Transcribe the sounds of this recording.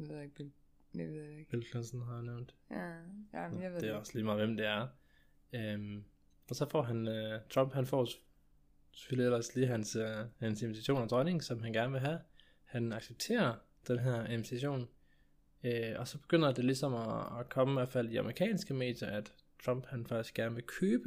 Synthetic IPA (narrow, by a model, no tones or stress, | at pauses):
eðˠeɡ̚b̥ | eðˠɡ̥b̥elfʰlænsn̩ɦɑ̈janeʊ̰nd̥ | d̥e̝ɒ̽sliːmɑ̈ːðˠʋemd̥e̝æɐ | øm | ɒ̽sɒ̽fɒ̰ːɦænøt͡sʰʁɒ̽mb̥hænfɒ̰ː | se̥føliel̰ɐsliːɦænshænsenmit͡sʰæɕo̝̰ːnɒd̥ʁɑne̝ŋsɒ̽mɦænɡ̥æɐnəʋe̝ɦæ | hænɑ̈ɡ̥seb̥̚t͡sʰe̝̰ːɐ | d̥enɦeɐ̰inmit͡sʰæɕo̝̰ːn | øɒ̽sɒ̽b̥e̝ɡ̥øn̰ɐd̥e̝lisɒ̽mɒːkʰɒ̽məmeɒfæləiɑ̈mʁikʰɛ̰ːnsɡ̥əme̝̰ːd̥jɐʔæd̥ | t͡sʰʁɒ̽mb̥hænfɑɡ̥isɡ̥ɡ̥æɐnəʋe̝lkʰøːb̥ə